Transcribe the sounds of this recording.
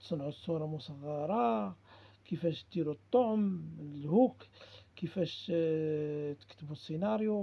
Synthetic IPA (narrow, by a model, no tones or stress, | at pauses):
t̪sˤnʕusˤːuɾˤɑmʊsˤɑðˤːɑɾˤɑ | kəfæʃt̪d̪iɾut̪ˤːoʕmlhukkəfæʃ | t̪ə̥kt̪əbusːinɑɾju